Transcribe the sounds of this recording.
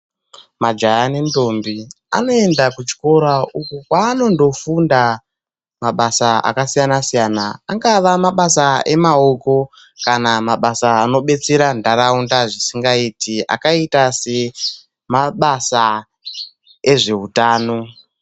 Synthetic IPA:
mad͡ʒajanendo̞mbi | a̰no̞e̞ndakut͡ʃi̥ko̞ɾaukukwaːno̞ndo̞funda | maɓasaa̰kasijanasijanaaŋɡaʋamaɓasae̞mao̞ko̞ | kanamaɓasaːno̞ɓe̞t͡se̞ɾandaɾaundaʐisiŋɡaitia̰kaitase̞ | maɓasa | e̞ʐe̞utaːno̞

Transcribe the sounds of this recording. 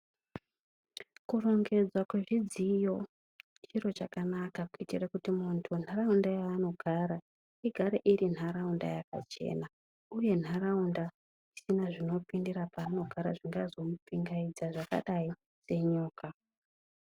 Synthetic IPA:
kuro̞ŋɡe̞d͡zwakwe̞ʐid͡zijo̞ | t͡ʃiro̞t͡ʃakanakakuitirakutimuntʰun̤ʱaraundajaːno̞ɡʱaɾa | iɡʱaɾeʔirin̤aɾaunda̰jaka̰t͡ʃe̞̰na | uje̞n̤araunda | isinaʐino̞pindirapaːno̞ɡʱaɾa̰ʐiŋɡazo̞mupiŋɡaid͡zaʐaka̰ɗai | se̞ɲoːka

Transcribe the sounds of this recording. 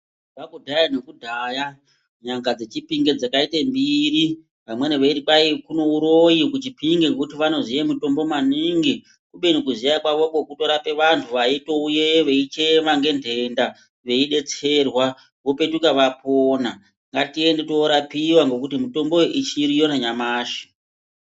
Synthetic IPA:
ʋakudʱajanekudʱaːja | ɲaŋɡad͡ze̞t͡ʃipiŋɡed͡zakaitembiɾi | ʋamwe̞neʋeiripaikuno̞uɾo̞jikut͡ʃipiŋɡekutiʋano̞zijemuto̞mbo̞mwaniːŋɡi | kuɓe̞nikuzijakwaʋo̞ko̞kuto̞ɾape̞ʋantʰuʋaito̞uje̞ʋe̞it͡ʃeʋaŋɡe̞ndʱe̞nda | ʋe̞iɗe̞t͡se̞rwa | ʋo̞pe̞tukaʋapʰoːna | ŋɡatie̞ndetoɾapiwaŋɡo̞kutimuto̞mbo̞ʔit͡ʃiɾijo̞naɲamaːʃi̥

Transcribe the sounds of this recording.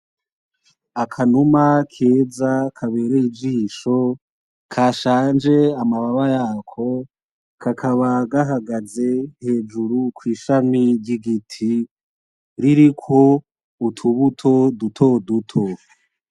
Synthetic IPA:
akʰanumakʰeːzakʰaβe̞ːɾeid͡ʒiːʃo̞ | kʰaːʃaːnd͡ʒe̞amaβaβajaːkʰo̞ | kʰakʰaβaɡaɦaɡaze̞he̞ːd͡ʒuɾukʰwiːʃamiɾɟiɡitʰi | ɾiɾikʰo̞ | utʰuβutʰo̞dutʰo̞dutʰo

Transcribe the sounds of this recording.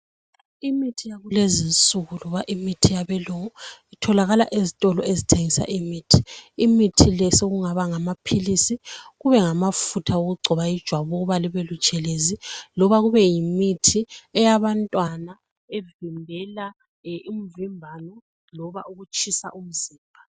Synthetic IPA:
imitʰijaɣulezint͡sʼuɣulɔβaʔimitʰijaβɛluŋɔitʰɔlaɣala̰ʔezitʼɔlɔezitʰeŋisa̰ʔimitʰi̥imitʰilɛsoɣuŋaβaŋamapʰilisiɣuβɛŋamafutʰaoɣuɡ͡ǀʱɔβaid̥ʒ̥ʱwaβɔuβaliβɛlut͡ʃʼɛlezilɔβaɣuβɛjimitʰiɛjaβantʼwana | evimbʱɛla | im̩vimbʱanɔ | lɔβauɣut͡ʃʰʼisa̰ʔum̩ziːmbʱa

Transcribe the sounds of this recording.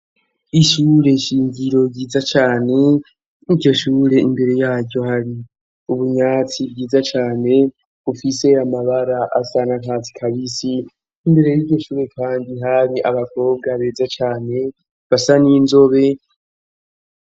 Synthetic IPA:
iʃuːɾe̞ʃiːɲɟiɾo̞ɟiːzat͡ʃaːne̞ | iɾɟo̞ʃuːɾe̞imbe̞ɾe̞jaːɟɟo̞haɾi | uβuɲaːt͡sibɡiːzat͡ʃaːne̞ | ufise̞amaβaɾaʔasaːnaŋkaːt͡si̥kʰaβisiː | mbe̞ɾe̞jiɾɟo̞ʃuːɾe̞kʰaːndiɦaɾiʔa̰βakʰo̞ːb̚ɡaβe̞ːzat͡ʃaːne̞ | βasaniːnzo̞βe̞

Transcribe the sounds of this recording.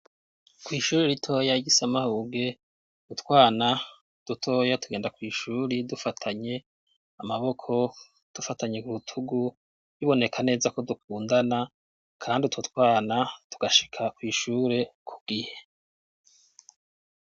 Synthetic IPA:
kwiːʃuːɾeɾitʰo̞jaɡisamahuːɡe̞ | dutwaːna | d̥utʰo̞ːjatuɡe̞ːndakwiːʃuːɾidufatʰaɲe̞ | amaβo̞kʰo̞ | d̥ufataɲekuutʰuɡu | jiβo̞ne̞kʰane̞ːzako̞dukʰuːndana | kʰaːndiutʰotkwaːnatu̥ɡ̥aʃi̥kʰakwiːʃuːɾe̞kʰu̥ɡ̥ihe̞̥

